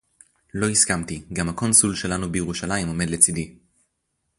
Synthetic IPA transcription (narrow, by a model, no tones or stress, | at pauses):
lo̞iskamt̪iɡamhako̞nsulʃe̞lanubejeʁuʃalajimo̞me̞d̪le̞t͡sid̪i